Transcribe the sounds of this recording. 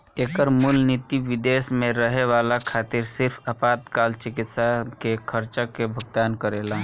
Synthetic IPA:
eːkəɾmulnit̪iʋɪd̪eːsmẽɾəɦeʋaːlakʰaːt̪ɪɾsɪɾpʰəpaːt̪kaːlt͡ʃɪkɪt̪sakekʰəɾt͡ʃakebʱʊɡ̚t̪aːnkəɾeːla

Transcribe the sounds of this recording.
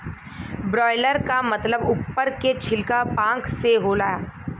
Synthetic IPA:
bɾɔːɪləɾkamɐt̪ləbʊpːəɾket͡ʃʰɪlkapãːkseɦolaːaː

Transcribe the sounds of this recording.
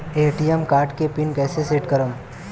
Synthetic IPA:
eːʈijemkaːɾʈkepɪnkɛːseseːʈkəɾəm

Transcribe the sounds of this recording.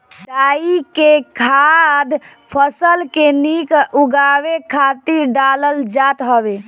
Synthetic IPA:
d̪aikekʰad̪ | pʰəsəlkenikuɡawekʰat̪iɾɖaləld͡ʒat̪ɦəβe

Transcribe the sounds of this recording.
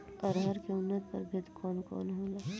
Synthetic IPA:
ɔɾɦɐɾkeʊnːət̪̚pɐ̰ɾbʱɪd̪kʰɔːnkɔ̰ːnɦoːlaː

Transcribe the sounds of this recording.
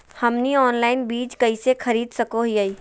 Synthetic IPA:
hɐmniɔːnlaːɪnbiːd͡ʒkɐisekʰɐɾiːd̪sɐkoɦiai

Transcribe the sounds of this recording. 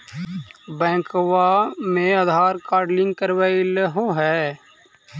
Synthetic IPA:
bɛ̃ːkʋaːmẽːəd̪ʱaːɾkaːɾɖlɪ̃ŋɡ̚kəɾʋaːilɦõːɦɛː

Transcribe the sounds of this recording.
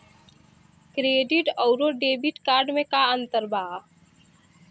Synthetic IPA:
kɾeːɖiʈɔʊɾoɖeːbiʈkaːɾɖmẽkaə̃nt̪əɾbaː

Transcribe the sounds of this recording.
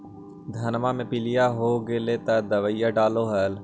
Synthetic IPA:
d̪ʱənmaːmẽpɪlɪjaːɦoːɡeleːt̪ad̪əʋəijaːɖaːloɦɛːl

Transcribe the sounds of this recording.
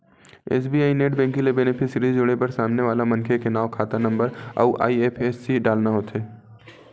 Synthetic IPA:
ḛːs̬biːaːineːʈbɛ̃ːŋkĩlebɛnɪpʰɪsɾizd͡ʒʊɽepɐɾsaːmneʋaːlamɐ̃nkʰekenaːʋkʰaːt̪anɐ̃mbəɾa̰ːʔa̰ːieːpʰeːsːiɖaːlnaɦoːt̪eː

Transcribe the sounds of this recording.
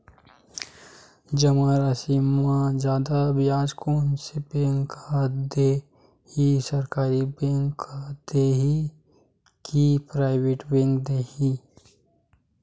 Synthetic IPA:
d͡ʒɐmaɾasiːmːãd͡ʒjaːd̪abjaːd͡ʒkoːnsebẽŋkad̪e | hisɐɾkaːɾibẽŋkd̪̥eːɦi | kipɾaːɪweːʈbẽːŋkd̪eːhi

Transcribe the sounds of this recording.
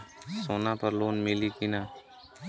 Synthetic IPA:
soːnãːpəɾloːnmiliːkiːnaː

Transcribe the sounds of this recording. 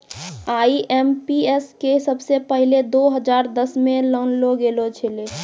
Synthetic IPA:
aːiʔɛmpieskesəbsepəɦiled̪oɦəd͡ʒaːɾd̪əsmẽlənloɡelot͡ʃʰele

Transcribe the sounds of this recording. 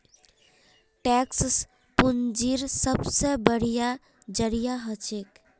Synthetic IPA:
ʈɛkss | pund͡ʒiɾsəbsebəɽ̤ija | d͡ʒəɾijaɦət͡ʃʰek

